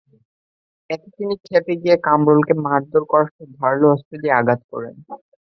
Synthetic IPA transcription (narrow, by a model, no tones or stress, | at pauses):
ɛk̪et̪inikʰepeɡijekamɾolkemaɾd̪oɾkɔɾaʃob̪ʱaɾloɔst̪ɾelieaɡat̪̚kɔ̰ɾḛn